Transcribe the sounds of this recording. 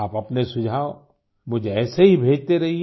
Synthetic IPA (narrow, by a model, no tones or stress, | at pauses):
aːpɐpnesʊd͡ʒʱaːo | mʊd͡ʒʱeɛːseɦibʱeːd͡ʒt̪eɾɐɦi